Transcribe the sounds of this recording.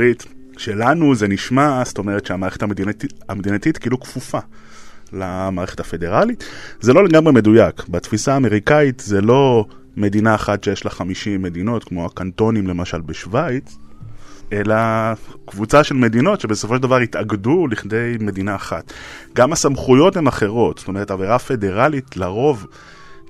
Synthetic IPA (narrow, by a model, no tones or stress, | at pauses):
it̪ʃelanuzeniʃmast̪o̞me̞ʁet̪ʃeamaːʁe̞χetamdinamed̪inat̪it̪kilukfufa | lamaːʁe̞χe̥tafe̞de̞ʁalit̪zelo̞leɡamʁeme̞d̪ujakbat̪fisaːme̞ʁ̞ikait̪zelo̞ | me̞dinaːχatʃejeʃlaχamiʃimːe̞d̪ino̞tkmo̞akanto̞nimle̞maʃalbeʃvajt͡s | e̞lakvut͡saʃe̞lme̞d̪ino̞tʃe̞be̞so̞foʃeldavaʁit̪aɡduliχde̞jme̞dinaːχatɡamasamχujo̞themaχe̞ʁo̞tst̪o̞me̞ʁtaveʁafe̞de̞ʁalit̪laʁo̞v